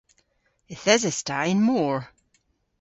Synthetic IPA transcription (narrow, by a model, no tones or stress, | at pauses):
ɪθɛzəstaɪ̃nmɔɹ